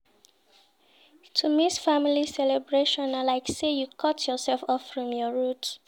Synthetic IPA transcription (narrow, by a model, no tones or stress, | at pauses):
tʰumisfamilisɛlɛbɹeʃɔ̃nalaɪksejukʰɔtʰjɔsɛlfɔffɹɔ̃mjɔɹut